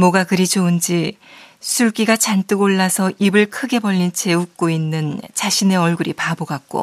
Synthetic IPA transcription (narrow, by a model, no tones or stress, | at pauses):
mʌɡakɯɾid͡ʑʰound͡ʑisʰuɭk͈iɡat͡ɕant͈ɯɡoɭːasʰʌʔibɯɭkʰɯɡe̞bʌʎːint͡ɕe̞uk̚k͈oinːɯnt͡ɕaɕʰine̞ʌɭɡuɾipaboɡak̚k͈o̰